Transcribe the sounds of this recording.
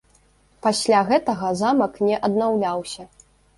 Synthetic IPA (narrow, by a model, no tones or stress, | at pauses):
pasʲlʲaɣɛt̪ɐɣɐzamɐknʲɛʔɐd̪nawlʲawsʲɐ